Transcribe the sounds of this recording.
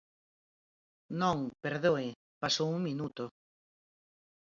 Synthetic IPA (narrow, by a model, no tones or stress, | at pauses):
nõŋpeɾðoɪ | pasowuŋmĩnut̪ʊ